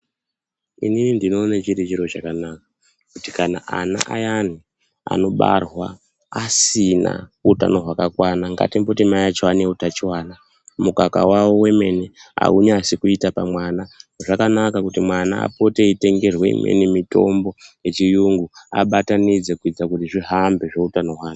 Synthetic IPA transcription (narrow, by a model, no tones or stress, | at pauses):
ḭnimindino̞ːnat͡ʃiɾet͡ʃiɾo̞t͡ʃakanaka | kuti̥kana̰ʔa̰na̰ʔajani | a̰no̞ɓa̰rwa̰ | asina̰uta̰noɦwakakwanaŋɡa̰timbotimajat͡ʃowaneutat͡ʃiwaːna | mukaka̰wawo̞we̞me̞nea̰uɲasikuitapamwananoʐakanakakutimwanaa̰po̞te̞ite̞ŋɡe̞rwḛḭmḛnemito̞mbo̞je̞t͡ʃijuŋɡua̰ɓatanid͡zekuid͡zakutiʐiɦambe̞ʐe̞utano̞ɦwaːna